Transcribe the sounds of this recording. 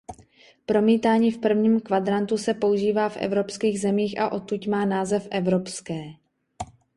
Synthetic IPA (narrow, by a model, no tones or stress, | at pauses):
pɾo̞miːt̪aːɲiːfpr̩vɲiːmkvad̪ɾant̪usɛpo̞uʒiːvaːfʔɛ̰vɾo̞pskiːɣzɛmiːxʔa̰ʔo̞t̪ucmaːnaːzɛfʔɛvɾopskɛː